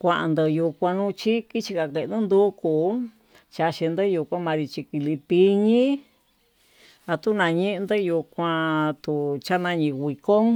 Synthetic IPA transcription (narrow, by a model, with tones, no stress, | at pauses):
kʷã˧ʔa̰˧nd̪ɨ˧ju˧kʷã˧nũ˦˧t͡ʃi˦ki˦t͡ʃi˧ka˧ke˧˨˧nũ˦nd̪u˦ku˨ | t͡ʃa˧ʃi˧nd̪ɨ˦ju˧kʷã˦mã˧ɾi˧t͡ʃi˧ki˧li˧pi˧ɲĩ˦ | a˧t̪u˦nã˧ɲĩ˦ʔnd̪ɨ˦ju˧kʷã˧t̪u˨t͡ʃa˦nã˧ɲĩ˧wʷi˨ko˦ŋ